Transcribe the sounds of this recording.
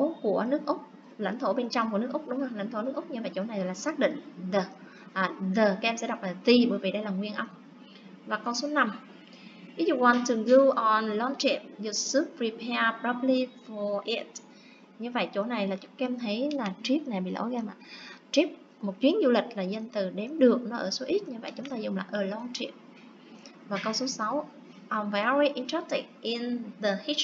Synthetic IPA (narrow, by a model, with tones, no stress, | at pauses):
o˨˦ku˧˩ənɨ˦˥ək̚ʔʊ˦˥k͡p̚ | la̰˧˩jŋ̟t̪ʰo˧˩ɓe˧nt͡ɕɔ˧wŋ͡mku˧˩ənɨ˦˥əkʔʊ˦˥k͡p̚ɗʊ˨˦ŋ͡mə˧la̰˧˩jŋ̟t̪ʰo˧˩˦nɨ˦˥k̚ʔk͡p̚ɲɨ˧və̰˧˨jt͡ɕo̰˧˩na˨˩jɣlaː˨˩saː˦˥k̚ɗḭ˧˨ŋ̟zəː˨˩ | ʔaː˨˩ðəː˨˩kaː˨˥ʔɛ˧msɛ̰˧˥ɗa˨˩wk͡p̚laː˨˩t̪i˧ɓəː˨˩vḭ˧˨jɗə˧jlaː˨˩ŋwi˧ənʔə˧wŋ͡m | vaː˨˩kə˧wso˨˦na˧m | ʔḭ˨˦˥zṵ˧˨ka˧˩nt̪ɨ˨˩əŋɣɨ˧wʔɔ˨˩nlɔ˧nt͡ɕɛ˨˧˩p̚zu˨˧˩su˦˥p̚ɹi˧pʰɛ˧pɾa˧˦˥pli˧fɔ˨˩ʔi˦˥t̚ | ɲɨ˧və̰˧˨jt͡ɕo˧˩na˨˩jlaː˨˩t͡ɕʊ̥˨˦˥ŋ͡mkɛ˧mt̪ʰə˨˦jlaː˨˩t͡ɕi˦˥əp̚na˨˩jɓḭ˧˨lʔo̰˧˩ɣa˧mlaː˨˩t͡ɕi˦˥əp̚ | mo˨˩t̚t͡ɕwi˨˦ənzu˧lï˨˩k̟̚laː˨˩zə˧nt̪ɨ˨˩ɗɛ˨˦mɗɨ˨˩ək̚nɔ˨˦ʔəː˧˩so˨˦ʔi˦˥t̚ɲɨ˧və̰˧˨jt͡ɕʊ˨˦ŋ͡mt̪aː˧zʊ˨˩ŋ͡mla̰ː˨˩ʔəː˨˩lɔ˧nt͡ɕḭ˧˨əp̚ | vaː˨˩kə˧wso˨˦sa˨˦w | ʔɔ˨˩nva˨a˧ɹi˧ʔi˧nta˦˥ti˨˩k̚ʔi˧nðə˨˩hi˦